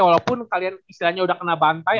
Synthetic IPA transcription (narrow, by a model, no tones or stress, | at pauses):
walawpʊnkalianist̪ilahɲaudahkənabant̪a